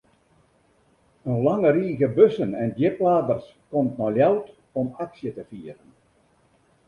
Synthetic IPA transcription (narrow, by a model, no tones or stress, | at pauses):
ənlɑŋəɾiːɣəbøsənɛndjɪplaːdərs | kɔmtnɔljawt | ɔmaksjətəfiəɾən